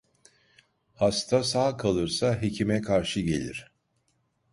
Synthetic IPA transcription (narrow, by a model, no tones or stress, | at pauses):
hast̪ʰasaːkʰalˠɯɾsaɦecʰimɛkʰaɾʃɯɟe̞̰lʲḭɾ̝̥